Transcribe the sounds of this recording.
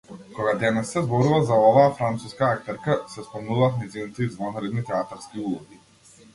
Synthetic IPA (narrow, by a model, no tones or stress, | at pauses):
kɔɡad̪ɛnɛssɛzbɔɾuvazaɔvaːfɾant̪suskaakt̪ɛɾkasɛspɔmnuvaːt̪nɛjzinit̪ɛid̪vɔnaɾɛd̪nit̪ɛat̪aɾskiulˠɔɡi